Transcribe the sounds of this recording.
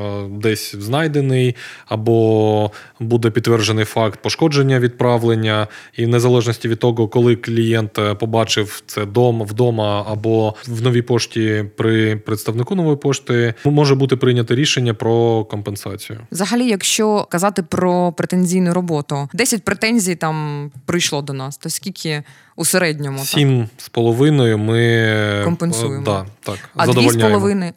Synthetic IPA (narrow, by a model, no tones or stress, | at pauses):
d̪ɛsʲznɑjd̪enɪjɐbɔ | bud̪ɛpʲit̪ːʋɛrʒenɪjfɑkt̪̚pɔʃkɔd͡ʒenʲːɐʋʲid̪̚pɾɑʋlˠenʲːɐinezɐlˠɛʒnɔsʲtʲiʋʲid̪̚t̪ɔɣɔkɔlˠɪklʲijɛnt̪pɔbɑt͡ʃɪwt̪sɛd̪ɔmɐwd̪ɔmɐːbɔʋnɔʋʲijpɔʃtʲipɾɪpɾet̪st̪ɐʋnɪkunɔʋɔjipɔʃt̪ɪmɔʒɛbut̪ɪpɾɪjnʲɐt̪ɐɾʲiʃenʲːɐpɾɔkɔmpensɑt͡sʲijʊ̰ʋzɐɦɐlʲijɐkʃt͡ʃɔkɐzɑt̪ɪpɾɔpɾet̪enʲzʲijnʊɾɔbɔt̪ʊd̪ɛsʲɐt̚ʲpɾet̪ɛnʲzʲijt̪ɑmpɾɪjʃlˠɔd̪ɔnɑst̪ɔsʲkʲilʲkʰʲɪ | useɾɛdʲnʲɔmʊsʲimspɔlˠɔʋɪnɔjʊmɪɔmpenujed̪ɑt̪ɑkɐdzɐd̪ɔʋɔlsʲnʲpɔɔʋɪnɪ